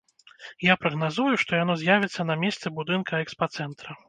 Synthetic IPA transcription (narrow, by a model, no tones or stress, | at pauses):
japɾɐɣnazujuʂt̪ɔjanɔzʲjavʲɛt̪sːɐnɐmʲest̪sɛbud̪ɨnkʰɐɛkspat̪sɛnt̪ɾɐ